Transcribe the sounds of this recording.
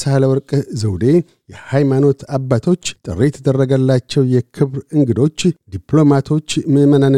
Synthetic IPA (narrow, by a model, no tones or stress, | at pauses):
shaləwɔɾkʼzəwd̪e̞ | jɛhajmano̞t̪ʰabːat̪ʰo̞t͡ʃːt̪ʼɨ̰rejt̪ʰəd̪ərːəɡəlːat͡ʃːɛwjɛkʰɨβɾɨŋɡɨd̪o̞t͡ʃːd̪iplo̞mat̪ʰo̞t͡ʃːmɨmənan